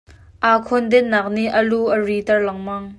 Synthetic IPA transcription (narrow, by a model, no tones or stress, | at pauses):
ʔaːkʰɔnd̪ɛnnaːk̚niʔəluʔərit̪ɐrlɐŋmɐŋ